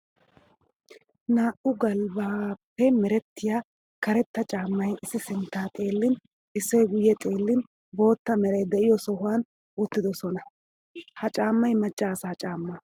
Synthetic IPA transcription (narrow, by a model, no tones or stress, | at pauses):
naːʔʊɡɐlbaːpːɛmɛɾɛt̪ːɪjaː | kɐɾɛt̪ːɐt͡ʃʼaːmːɐjɪsːɪsɪnt̪ːaːt̪ʼe̞ːlːɪn | ɪsːɔjɡʊjːɛt̪ʼe̞ːlːɪn | bo̞ːt̪ːɐmɛɾɛjd̪ɛʔɪjɔsɔɦʊwaːn | ʊt̪ːɪd̪ɔsɔnɐ | hɐt͡ʃʼaːmːɐjmɐt͡ʃʼːaːsaːt͡ʃʼaːmːɐ